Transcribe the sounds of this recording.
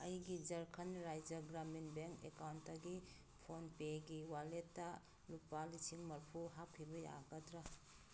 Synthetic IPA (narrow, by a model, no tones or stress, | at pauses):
ɐjɡid͡ʒɐɾkʰɐnɾajd͡ʒɐɡɾaminbeŋkḛkawntːaɡi | pʰonpeɡiwaletːa | lupːalisiŋmɐɾpʰuɦapʰːibɐja̰ɡɐtɾɐ